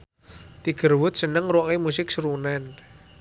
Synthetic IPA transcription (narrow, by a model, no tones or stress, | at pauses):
t̪iɡ̥ərwʊt̪̚sənəŋruwɔŋemusɪk̚sɾunɛn